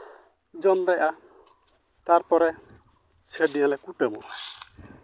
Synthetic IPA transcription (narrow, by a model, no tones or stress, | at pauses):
d͡ʒɔnd̪ajʔa | t̪aɾpɔɾɛ | t͡ʃʰeɖiãlɛkuʈɛmɔ̰ʔaj